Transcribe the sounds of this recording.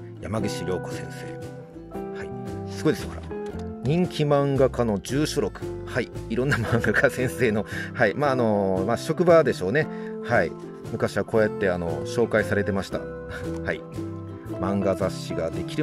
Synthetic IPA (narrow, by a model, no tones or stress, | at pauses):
jamaɡiɕiɾʲjo̞ːko̞sẽ̞̰ɰ̃se̞̰ː | haisɨɡo̞id̪eskaɾa̰ɲ̟ĩŋkʲimãŋɡakano̞d͡ʑɨːɕoɾo̞kɯ̟̥haiiɾõ̞nːamãŋɡakasẽ̞ɰ̃se̞ːno̞haimaːno̞maːɕo̞kɯ̟bad̪e̞ɕo̞ːne̞haḭ | mɯ̟kaɕiβako̞ːjat̪ːe̞ano̞̰ɕo̞ːkaisaɾe̞t̪e̞maɕi̥t̪a̰ | hai | mãŋɡazaɕːiɡad̪e̞kʲiɾɯ